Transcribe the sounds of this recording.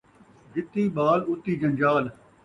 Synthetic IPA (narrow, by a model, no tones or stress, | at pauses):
ɡɪt̪ːiːɓaːlʊt̪ːiːd͡ʒə̃ɲd͡ʒaːl